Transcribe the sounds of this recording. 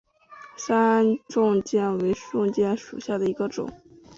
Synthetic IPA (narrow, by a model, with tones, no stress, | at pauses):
sa˥ʈ͡ʂʊ˥˧ŋt͡ɕjɛ˥˩nwe˧˥ɪʂʊ˥˧ŋt͡ɕjɛ˥˩nʂṵ˨˩ɕja˥˩d̪ə˩i˧˥ɡə˧ʈ͡ʂʊ̰˨˩˦ŋ